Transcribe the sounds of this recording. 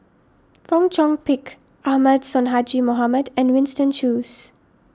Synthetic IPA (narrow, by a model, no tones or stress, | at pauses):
fɔ̃ŋt͡ʃɔ̃ŋpɪk | ʔahmədsɔ̃nɦad͡ʒimɔɦamədɛ̃nwɪ̃nstə̃nʃuːs